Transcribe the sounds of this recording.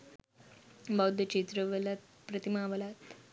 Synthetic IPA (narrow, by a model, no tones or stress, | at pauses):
bawd̪ʱət͡ɕit̪ɾəʋəlat̪̚ | pɾət̪imaʋəlat̪